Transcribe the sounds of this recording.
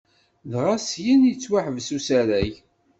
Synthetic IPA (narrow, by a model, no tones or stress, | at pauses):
ðʁasjənjt͡sːwaħvsusæɾæj